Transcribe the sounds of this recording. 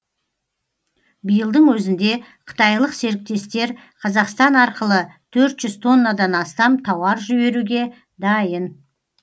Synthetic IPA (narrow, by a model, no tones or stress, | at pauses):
bijəlˠd̪əɴwɵzɪnd̪e̞qʰə̥t̪ɑjlˠəqse̞ɾɪk̚t̪e̞st̪e̞ɾ | qʰɑzɑqst̪ɑnɑɾqəlˠət̪ʰɵɾt̪ʒ̥ʏz̥t̪ʰo̞nːəd̪ɑnɑst̪ɑmt̪ʰɑwɑɾʒʏbe̞ɾuɡʲe̞ | d̪ɑjən